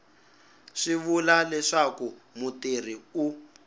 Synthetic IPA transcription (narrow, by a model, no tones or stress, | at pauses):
ʂiβulalɛʂakumutir̤iu